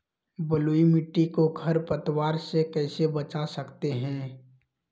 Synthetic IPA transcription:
bəluːimɪʈːikoɡʱɐɾpət̪waːɾsekɛːsebət͡ʃasəkt̪eɦɛ̃ː

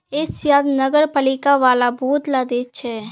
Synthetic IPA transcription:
ɪsjaːd̪nəɡəɾpəlɪkaʋaːlabɔːt̪lad̪et͡ʃʰɛ

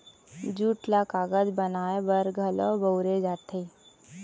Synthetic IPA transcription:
d͡ʒuːʈlakaːɡəd͡ʒbənaːebəɾɡʱəlɔ̰ːbəʊɾed͡ʒaːt̪ʰe

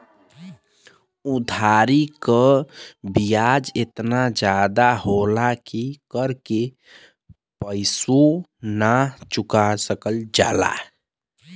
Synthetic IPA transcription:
ud̪ʱaɾikəbijad͡ʒet̪nad͡ʒad̪aɦolakikəɾke | pəɪsunat͡ʃukasəkəld͡ʒa̰ːla̰

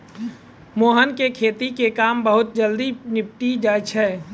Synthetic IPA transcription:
moːɦənkekʰeːt̪ikekaːmbəɦʊt̪̚d͡ʒəld̪inɪp̚ʈid͡ʒaːt͡ʃʰɛː

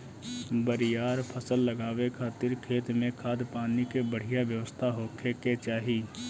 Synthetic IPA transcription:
bəɾɪjaːɾpʰəsəlːəɡaːwekʰaːt̪ɪɾkʰeːt̪mẽkʰaːd̪paːnikebəɽ̤ijaʋjəwəst̪ʰaɦoːkʰeket͡ʃaːɦiː

